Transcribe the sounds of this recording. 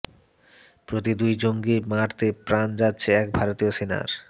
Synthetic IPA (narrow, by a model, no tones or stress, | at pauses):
pɾot̪id̪ujd͡ʑoŋɡimaʈt̪epɾand͡ʑatːɕʰeɛk̚bʱaɾot̪iosena̰ɾ